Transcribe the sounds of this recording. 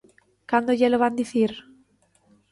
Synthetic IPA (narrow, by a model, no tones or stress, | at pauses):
kand̪oʎeloβand̪iθiɾ